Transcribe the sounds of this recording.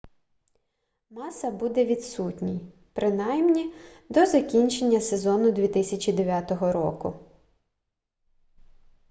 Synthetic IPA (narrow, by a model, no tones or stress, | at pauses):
mɑsɐbud̪ɛʋʲid̪sutʲnʲij | pɾɪnɑjmnʲid̪ɔzɐkʲinʲt͡ʃe̞nʲːɐsezɔnʊd̪ʲʋʲit̪ɪsʲɐt͡ʃʲid̪eʋʲat̪ɔɦɔɾɔ̰kʊ̰